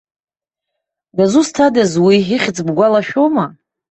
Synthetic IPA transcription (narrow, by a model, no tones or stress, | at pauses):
dazustʰadazwiɦiχʲt͡sʼbɡʷalaʃᶣowma